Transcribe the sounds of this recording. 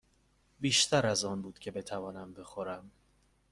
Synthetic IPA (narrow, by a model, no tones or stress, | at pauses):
biːʃt̪ʰæɾæzɒːnbuːd̪̥cʰe̞be̞t̪ʰævɒːnæmbe̞xoɾæm